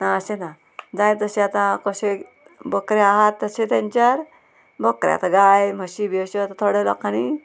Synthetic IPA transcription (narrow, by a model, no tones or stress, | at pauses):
naəsena | d͡zãjt̪əseat̪ãkəse | bəkɾeaɦat̪ːəset̪jãɲt͡ɕjaɾ | bəkɾja̰t̪aɡajməɕibeɕoat̪at̪ʰoɽelɔkani